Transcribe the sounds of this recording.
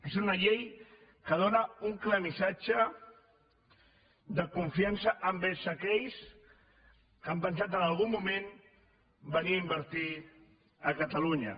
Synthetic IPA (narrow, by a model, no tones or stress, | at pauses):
esunəʎej | kəð̞onəuŋkləmisad͡ʒə | d̪əkuɱfiansəʔəmbesəkɛʎs | kampənsat̪ənalˠɣ̞umːumẽn | bəniaimbəɾt̪i | əkət̪əluɲə̰